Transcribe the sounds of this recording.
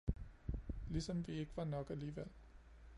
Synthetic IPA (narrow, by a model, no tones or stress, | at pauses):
lisɒ̽mʋie̝ɡ̥əʋɑ̈nɒ̽ɡ̥æliːʋel̰